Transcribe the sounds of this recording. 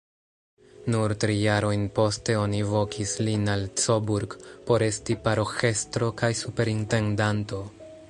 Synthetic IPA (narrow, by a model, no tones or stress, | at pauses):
nuɾtɾijaɾo̞jnpo̞ste̞o̞nivo̞kʰislinalt͡so̞buɾɡpo̞ɾe̞stipaɾo̞xe̞stɾo̞kajsupe̞ɾinte̞ndanto̞